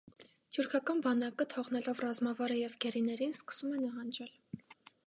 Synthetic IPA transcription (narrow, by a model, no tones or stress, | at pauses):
t̪ʰjuɾkʰɑkɑnbɑnɑkət̪ʰɔʁnɛlɔvrɑzmɑvɑɾəjɛvɡɛɾinɛɾinskə̥sumɛnɑɦɑnd͡ʒɛl